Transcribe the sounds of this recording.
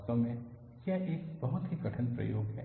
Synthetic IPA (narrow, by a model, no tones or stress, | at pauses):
t̪õmẽ | kjaʔeːkbɐɦʊt̪ɦiɡɐʈʰənpɾɐ̰jo̰ːɡɦɛ̰ː